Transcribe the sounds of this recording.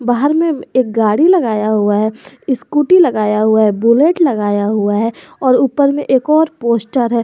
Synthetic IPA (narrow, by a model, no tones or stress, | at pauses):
baːɦəɾmẽeːk̚ɡaːɽilɐɡaːjaɦʊaɦɛː | ɪskuːʈilɐɡaːjaɦʊaɦɛbuleːʈlɐɡaːjaɦʊaɦɛ | ɔːɾuːpəɾmẽʔeːkɔːɾpoːsʈəɾɦɛː